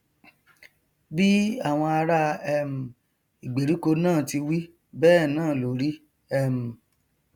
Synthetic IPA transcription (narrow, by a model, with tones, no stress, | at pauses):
bi˦a˦˨w̃ɔ̃˧a˧ɾa˧ɛ˦m̩˨ | i˨ɡ͡be˨ɾi˨˦ko˧nãː˦˨ti˧wi˦ | bɛː˦˨nãː˦˨lo˨ɾi˦ | ɛ˦˨m̩˨